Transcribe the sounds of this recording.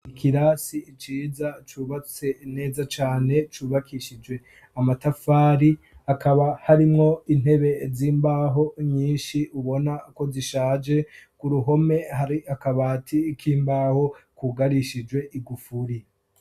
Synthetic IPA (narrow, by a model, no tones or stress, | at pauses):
ikʰiɾasiːt͡ʃiːzat͡ʃuːβat͡se̞ne̞ːzat͡ʃaːne̞t͡ʃuːβakʰiʃid͡ʒwe̞ | amatafaːɾi | akaβahaɾimŋo̞in̥he̞βe̞ziːmbaːɦo̞ɲiːnʃiuβo̞nako̞ziʃaːd͡ʒe̞kuɾuɦo̞me̞haɾiakaβaːtʰikʰiːmbaːho̞kuɡaɾiʃid͡ʒwe̞ʔiɡufuɾi